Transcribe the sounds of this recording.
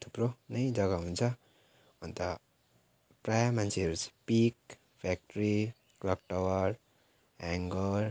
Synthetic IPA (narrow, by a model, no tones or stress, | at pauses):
t̪ʰu̥pronʌjd͡zʌɡʌɦunt͡sʰʌ | ʌnt̪ʌ | prajamant͡sʰeɦʌɾut͡sʰʌ̥pik | pʰak̚ʈɾi | klʌk̚ʈʌwʌɾ | aŋɡʌɾ